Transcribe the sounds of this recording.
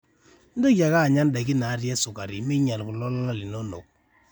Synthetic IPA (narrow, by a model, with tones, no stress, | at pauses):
n̩˦do˦kja˨ka˦˨ɲa˦nda˨ki˦na˨˦ɾjɛ˦sʊ˨ka˨ɾi˨mi˦ɲa˨lku˨lɔ˦la˦la˦li˨no˦no̰˨k̚